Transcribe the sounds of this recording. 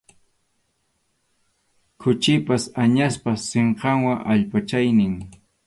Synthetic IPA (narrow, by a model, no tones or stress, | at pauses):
kʰʊt͡ʃɪpasaɲaspaseɴqɑŋwaʔaʎpat͡ʃajnɪŋ